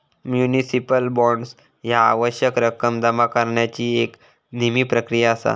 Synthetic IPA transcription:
mjunisipəlbɔɳɖs | jaːʋəɕjəkɾəkəmd̪əmakəɾɳjat͡ɕiːek | nimiːpɾəkɾijaːsa̰

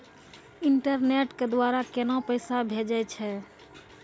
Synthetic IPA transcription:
ɪɳʈəɾneʈked̪waːɾakenɔ̃pəɪsabʱed͡ʒat͡ʃʰɛ

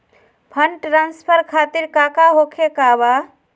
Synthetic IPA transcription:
pʰəɳʈɾanspʰəɾkʰat̪iɾkakaɦokʰekaba

